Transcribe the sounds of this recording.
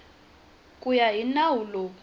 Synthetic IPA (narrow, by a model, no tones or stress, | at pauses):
kʼujainawulokʰ